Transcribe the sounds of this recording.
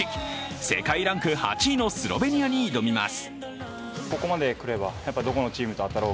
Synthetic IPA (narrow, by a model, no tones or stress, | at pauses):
se̞̰kaiɾãŋkɯ̟ha̰t͡ɕiːno̞sɨɾo̞̰be̞ɲ̟iaɲ̟iːd̪o̞mʲima̰sɨ̥ | ko̞ko̞mad̪e̞kɯ̟ɾe̞bajapːad̪o̞ko̞no̞t͡ɕiːmɯ̟t̪o̞at̪ːaɾo̞ː